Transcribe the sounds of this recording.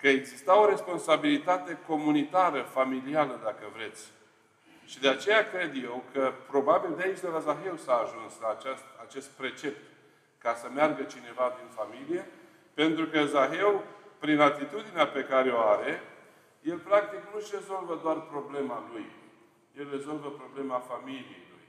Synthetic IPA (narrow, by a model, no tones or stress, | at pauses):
kəeɡzist̪ao̞ɾe̞spo̞nsabilit̪at̪e̞ko̞munit̪aɾəfamilialəd̪akəvɾe̞t̪sʲ | ʃid̪eat͡ʃe̞jakɾe̞d̪je̞wkʰəpɾo̞babild̪eait͡ʃʲd̪elazaɦe̞wsaːʒunslaːt͡ʃast̪at͡ʃe̞st̪̚pɾe̞t͡ʃe̞p̚t̪ | kasəmearɡət͡ʃine̞vad̪infamilije̞ | pe̞nt̪ɾukəzaɦe̞wpɾinat̪it̪ud̪ineape̞kaɾeoaɾe̞ | je̞lpɾak̚t̪iknuʃre̞zo̞lvəd̪oarpɾo̞ble̞maluj | je̞lre̞zo̞lvəpɾo̞ble̞mafamilijḛjlṵj